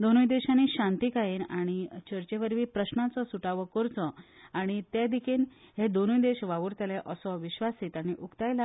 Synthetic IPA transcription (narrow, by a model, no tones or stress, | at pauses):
d̪onujd̪eɕanːiːɕãnt̪iːkajiːnaɽ̃it͡ɕəɾt͡ɕeʋəɾʋiːpɾəɕnat͡sɔsuʈaʋəkɔɾt͡sɔaɽ̃it̪ed̪ikʰeːnɦed̪onujd̪eɕʋaʋuɾt̪eleʔəsɔʋiɕʋasiːt̪aɽ̃iʔukt̪ajla